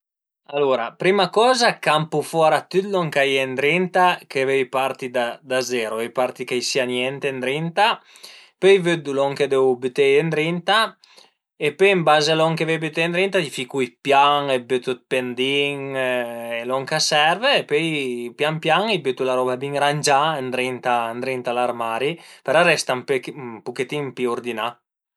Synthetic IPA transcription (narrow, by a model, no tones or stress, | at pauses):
aloːɾa̰pɾimakɔːzakampufɔɾat̪ːyt̪lɔŋkajɛnd̪ɾint̪akevejpaɾt̪id̪ad̪azɛːɾovejpaɾt̪ikejsianjɛnt̪end̪ɾint̪a | pøjvød̪ulɔŋked̪ɛwbyt̪ejend̪ɾint̪a | epømbaːzalɔŋkevebet̪end̪ɾint̪aifikujpjaŋebøt̪ut̪̚pend̪iŋ | elɔŋkasɛrveːpøjpjampjaŋibøt̪ːulaɾɔːbabiŋɾand͡ʒaend̪ɾint̪and̪ɾint̪alarmaːɾipeɾɔɾɛst̪amppuket̪impiord̪ina